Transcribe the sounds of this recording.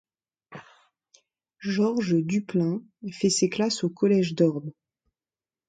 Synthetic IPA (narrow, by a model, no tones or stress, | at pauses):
ʒɔʁʒd̪yplɛ̃ | fɛseklasokɔlɛʒd̪ɔʁb̪